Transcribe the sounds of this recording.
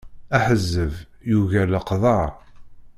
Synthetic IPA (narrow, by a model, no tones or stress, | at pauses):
æħəzːəv | juʝæləqðˤɑɾˤ